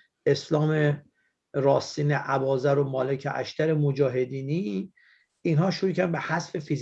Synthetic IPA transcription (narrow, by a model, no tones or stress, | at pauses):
ʔe̞slɒːme | ɾɒːsiːneʔæbɒːzæɾomɒːlecʰeʔæ̰ʃt̪æɾemod͡ʒɒːɦe̞d̪iːni | inɦɒːʃoɾuːcʰænbehæsfe̞fiz